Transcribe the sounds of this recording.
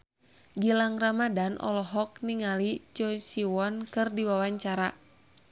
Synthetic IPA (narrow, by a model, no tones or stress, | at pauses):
ɡilaŋramadanʔɔ̰lɔɦɔk̚niŋalit͡ʃɔsiwɔnkɨrdiwawaɲt͡ʃaɾa